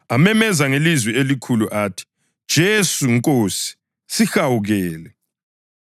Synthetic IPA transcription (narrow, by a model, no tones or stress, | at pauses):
amɛmɛzaŋelizwɛelikʰuluʔaːtʰi̥ | d̥ʒ̥ʱesuŋkʼoːsi̥ | sixawuɣɛːlɛ